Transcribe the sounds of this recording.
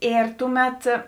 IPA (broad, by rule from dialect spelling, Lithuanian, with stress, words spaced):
ˈeːr ˈtʊˌmʲɛt